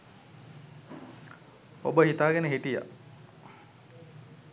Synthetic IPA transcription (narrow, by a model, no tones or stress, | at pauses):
obəɦit̪aːɡenəɦiʈija̰